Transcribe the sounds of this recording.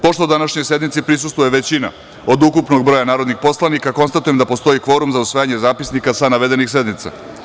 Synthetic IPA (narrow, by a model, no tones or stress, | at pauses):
po̞ʃt̪od̪anaʃɲo̞jse̞d̪mit̪sipɾisust̪vʋuje̞ʋe̞t͡ɕina̰ | o̞d̪ukupno̞ɡ̚bɾo̞janaːɾo̞d̪nixpo̞slˠanikako̞nst̪at̪ujemd̪apo̞st̪o̞ikʋo̞ɾumzausʋaːjaɲezaːpisnikasanaʋe̞d̪enixse̞d̪nit̪sa̰